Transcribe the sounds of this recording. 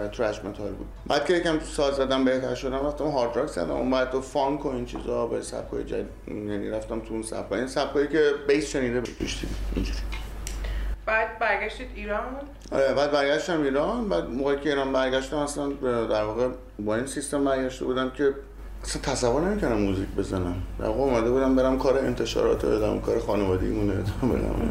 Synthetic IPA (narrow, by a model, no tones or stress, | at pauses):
t̪ʰɾæʃmet̪ʰɒlbṵːd̪bæːd̪̥kʰcʰe̞jecæmsɒːlzæd̪æmbe̞ht̪ʰæɾʃo̞d̪æmɾæft̪æmɦɒɾt̪ʰɾɒkzæ̰ɾd̪æ̰mʔṵmbæd̪̚d̪ofɒŋkʰoint͡ʃʰḭzɒbesæ̰b̥̚kʰɒ̰jḛd͡ʒæ̰ | jænḭɾæft̪æmt̪ʰuunsæ̰b̥̚kʰɒ̰insæb̥̚kɒjicʰebejsʃeniːd̪ebeḛʃt̪ḭd̪iḭnd͡ʒuɾi | b̥æd̪̚bæɾɡʲæʃt̪id̪iːɾɒnbu̥ | ɒ̰ɾebæːd̪̚bæɾɡʲæʃt̪æmiːɾɒnbæːd̪moʁɒːjicʰe̞iːɾɒːnbæɾɟʲæʃt̪æmæslænd̪æɾvɒːɣe | bɒːinsist̪embæɾɡæʃt̪e̞buːd̪æmcʲʰe̞ | æsænt̪ʰæsævːoɾne̞miːkʰonæmːuːzicʰbe̞zænæmd̪æ̰ɾvɒːɣeomæd̪e̞buːd̪æmbe̞ɾæmkʰɒːɾeent̪ʰe̞ʃɒ̰ːɾɒ̰ːt̪ʰed̪æmkʰɒːɾexɒːnevɒːd̪ej̰muned̪mbḛnæ̰m̰